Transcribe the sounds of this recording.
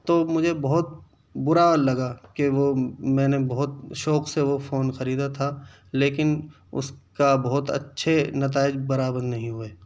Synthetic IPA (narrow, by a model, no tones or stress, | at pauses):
t̪omʊd͡ʒʱebɐɦʊt̪̚ | bʊɾalɐɡakeʋomɛ̃ːnebɐɦʊt̪̚ʃɔːqseʋofoːnxɐɾiːd̪at̪ʰa | leːkɪn | ʊ̰skabɐɦʊt̪ɐ̰tːʃʰenɐt̪̬aːɪd͡ʒbɐɾaːbə̃nnɐɦĩɦueː